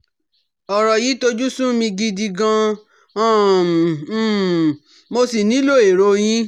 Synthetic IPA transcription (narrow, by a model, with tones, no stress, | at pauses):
ɔ˨ɾɔ˨ji˨˦to˧d͡ʒu˦sũ˦mĩ˧ɡi˧di˧ɡã˧ | ã˦˨˦ | mo˧si˨nĩ˨˦lo˦˨e˨ɾo˧˦j̃ĩ˦